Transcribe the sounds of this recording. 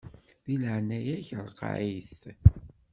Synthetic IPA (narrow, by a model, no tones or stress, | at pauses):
ðiləʕnæjæçəɾˤqʕiθ